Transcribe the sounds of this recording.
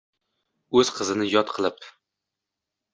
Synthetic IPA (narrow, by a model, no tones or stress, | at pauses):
ɵz̥qʰɨzɪnɪjɒt̪qʰɨlˠɪp